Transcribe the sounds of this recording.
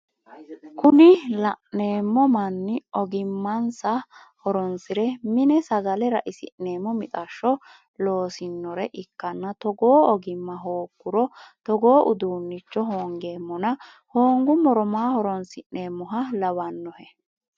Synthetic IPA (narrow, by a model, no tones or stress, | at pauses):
kʊnɪlɐʔne̞ːmːɔmɐnːɪɔɡɪmːɐnsɐ | hɔɾɔnsɪɾɛmɪnɛsɐɡɐlɛɾɐʔɪsɪ̰ʔneːmːɔmɪt̪ʼɐʃːɔ | lo̞ːsɪnːɔɾɛʔɪkːɐnːɐt̪ɔɡo̞ːɔɡɪmːɐɦoːkːʊɾɔt̪ɔɡoːʔʊd̪uːnːɪt͡ʃːɔɦoːŋɡeːmːɔnɐ | ho̞ːŋɡʊmɔɾɔmaːhɔɾɔnsɪʔne̞ːmːɔɦɐlɐbɐnːɔhɛ